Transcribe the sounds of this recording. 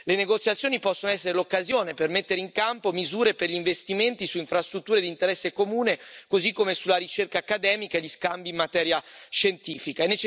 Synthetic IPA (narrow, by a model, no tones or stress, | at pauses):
leneɡot̪sjat̪sjoːnipɔsːonoɛsːeɾelokːazjoːnepermet̪ːeɾeiŋkampomizuːɾeperʎiɱvest̪iment̪isuiɱfɾast̪ɾut̪ːuːɾed̪int̪eɾɛsːekomuːnekozikːomesulaɾit͡ʃerkaːkːad̪ɛːmikaeʎiskambimːat̪ɛːɾjaʃent̪iːfikaɛnːet͡ʃ